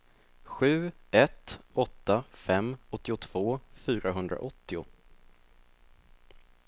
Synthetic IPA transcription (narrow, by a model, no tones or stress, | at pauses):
ɧʉ̟ːɛt̪ɔt̪ːafɛmːɔt̪ːɪʊt̪ʰv̥oːfyːɾaɦɵnd̪ɾa̰ʔɔt̪ːɪʊ̰